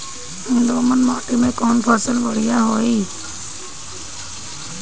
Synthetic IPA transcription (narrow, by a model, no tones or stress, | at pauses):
ʊ̃nd̪oːmənmaːʈimẽːkɔːnpʰəsəlʋəɽ̤ɪjaːɦoːiː